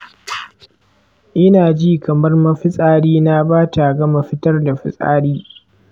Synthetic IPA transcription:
ʔɪ˦naː˨d͡ʒiː˦˨kɐ˨mɐ˦rmɐ˦ɸɪ˦sʼaː˦ɽiː˦na˦baː˦ta˨ɡɐ˦ma˨ɸɪ˦tɐ˦rda˨ɸɪ̰˦sʼa̰ː˦ɽiː˦

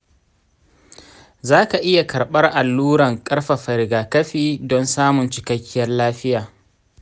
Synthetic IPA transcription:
zaː˦ka˨ʔɪ˦ja˨kɐ˨ɾɓɐ˦rʔa˨lːuː˦ɾɐ˨ŋkʼɐ˦rɸa˨ɸɐ˨ɾɪ˨ɡaː˨kɐ˦ɸiː˦˨dɔ˦nsaː˦mʊ˨nt͡ʃɪ˨kɐ˦kʲʰːɪ˦jɐ˦rlaː˦ɸɪ˦jaː˨

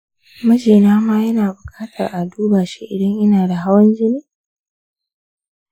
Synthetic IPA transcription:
mɐ˦d͡ʒiː˨naː˦maː˦jɐ˦naː˨bʊ˨kʰʼaː˦tʰɐ˨rʔa˨duː˦baː˨ʃi˦ʔɪ˦dɐ˦ɲʔɪ˦naː˨da˨ɦa˦wɐ˦nd͡ʒɪ˦niː˦

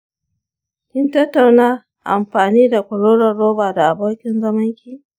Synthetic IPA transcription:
kʲɪ˦ntɐ˦tːa˨wnaː˦ | ʔa˨mɸaː˨niː˦da˨kʷʊ˨ɽoː˦ɽɐ˨rːoː˦baː˨da˨ʔa˨boː˦kʲɪ˦nzɐ˦mɐ˦ŋkʲiː˦

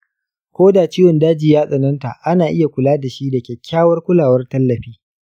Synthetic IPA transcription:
kʷoː˦daː˨t͡ʃiː˦wɔ˨ndaː˦d͡ʒiː˨jaː˦sʼɐ˨nɐ˦nta˨ʔa˦naː˨ʔɪ˦ja˨kʷʊ˨laː˦da˨ʃi˦dɐ˨kʲɛ˨kʲːaː˦wɐ˦rkʷʊ˦laː˨wɐ˦rtɐ˦lːɐ˨ɸiː˦

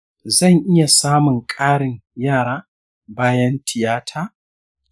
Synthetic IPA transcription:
zɐ˦˨ŋʔɪ˦ja˨saː˦mʊ˨ŋkʼaː˦ɽɪ˨ɲjaː˦˨ɽaː˦ | baː˦jɐ˦ntʰɪ˨jaː˦tʰaː˦

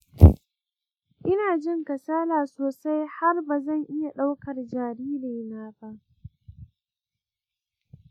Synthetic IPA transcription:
ʔɪ˦naː˨d͡ʒɪ˦ŋka˨saː˦laː˨soː˨sa˦jha˦rbaː˨zɐ˦˨ŋʔɪ˦ja˨ɗa˦wkɐ˨rd͡ʒaː˨ɾiː˦ɾe˨naː˦ba˦ʔ

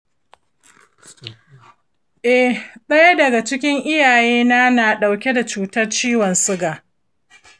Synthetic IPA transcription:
ʔɛ˦˨sɐ˦jɐ˦dɐ˨ɡa˨t͡ʃɪ˦kʲɪ˦ŋʔɪ˦jaː˨jeː˦naː˦naː˨ɗa˨wkʲe˦da˨t͡ʃuː˨tɐ˦rt͡ʃiː˦wɐ˨nsʊ˦ɡaː˨

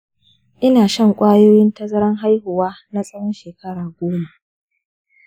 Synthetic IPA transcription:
ʔɪ˦naː˨ʃɐ˦˨ŋkʷʼaː˦joː˦jɪ˦ntɐ˦zɐ˦ɾɐ˦ŋɦa˦jɦʊ˨waː˦na˦sʼɐ˦wɔ˦nʃeː˨kɐ˦ɽaː˨ɡʷoː˦meː˨

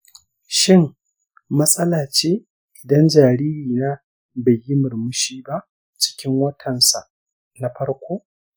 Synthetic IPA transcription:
ʃɪ˦˨ŋ | mːɐ˦sʼɐ˦laː˨t͡ʃeː˦ | ʔɪ˨dɐ˦nd͡ʒaː˨ɾiː˦ɾiː˨naː˦ | ba˨jːɪ˦mʊ˨ɾmʊ˦ʃiː˦ba˦ʔ | t͡ʃɪ̥˦kʲɪ˦ŋwɐ˦tʰɐ˨nsa˨ʔ | na˦ɸɐ˦ɽkʷʰoː˦

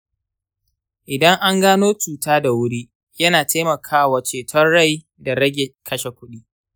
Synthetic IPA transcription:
ʔɪ˨dɐ˦ŋʔa˦ŋɡaː˦noː˦t͡ʃuː˨taː˦da˨wʊ˦ɽiː˦ | jɐ˦naː˨tʰeː˦mɐ˨kʰaː˦waː˨t͡ʃeː˨tʰɐ˦nɽa˦˨j | da˨ɽɐ˦ɡʲe˨kʰɐ˦ʃe˨kʷʊ˦ɗiː˦

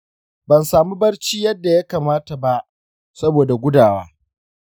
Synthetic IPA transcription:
bɐ˨nsaː˨mu˦bɐ˦ɽt͡ʃiː˦jɐ˦dːa˨ja˦kaː˨maː˦ta˨ba˦ʔ | sɐ˦boː˨da˨ɡʷʊ˦daː˨wa̰ː˦

